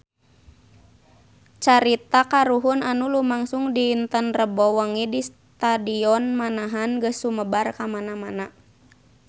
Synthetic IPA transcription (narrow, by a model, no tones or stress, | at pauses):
t͡ʃaɾit̪akaɾuɦunanulumaŋsuŋdiːnt̪ənrəbɔwəŋidis | t̪adiɔnmanaɦanɡəsuməbarkamanamana